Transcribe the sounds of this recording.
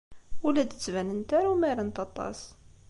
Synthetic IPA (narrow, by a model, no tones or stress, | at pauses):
əlæd̪ət͡sːvænənt̪æɾumæɾænt̪ɑt̪ˤɑ̰s